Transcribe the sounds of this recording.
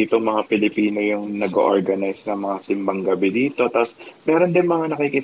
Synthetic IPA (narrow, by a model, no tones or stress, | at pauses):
it̪oŋmɐŋapɪlɪpiːno̞jʊŋnɐɡo̰ʔoɹɡɐnajsnɐmɐŋasɪmbɐŋɡɐbɛd̪iːt̪o̞t̪asmɛːɾo̞nd̪ɪnmɐŋanɐkiki